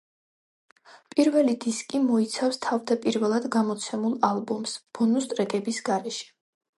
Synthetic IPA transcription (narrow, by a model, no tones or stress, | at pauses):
pʼiɾvɛlid̪iskʼimɔit̪sʰafst̪ʰavd̪apʼiɾvɛlˠad̪ɡamɔt̪sʰɛmulˠalˠbɔmsb̥ɔnust̪ʼɾɛɡɛbisɡaɾɛʃɛ̥